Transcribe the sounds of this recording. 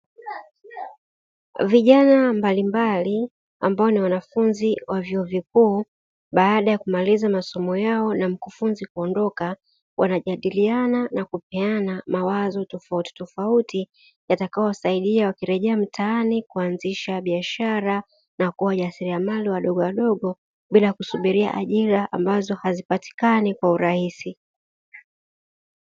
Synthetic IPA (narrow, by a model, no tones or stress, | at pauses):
viʄanambalimbali | a̰mbaɔniwanafunziwavjɔɔvikuː | ɓaaɗajakumalizamasɔmɔjaɔnam̩kufunzikuɔndɔka | wʔanaʄaɗiliananakupɛanamawazɔtɔfauti̥tɔfauti | jatakajɔsaiɗiawakiɾɛʄɛam̩tʰaanikuanziʃaɓiaʃaɾa | nakuwaʄasiɾiamaliwaɗɔɠɔwaɗɔɠɔ | ɓilakusuɓiɾia̰ʔaʄiɾaʔa̰mbazɔhazipati̥kanikwauɾahisi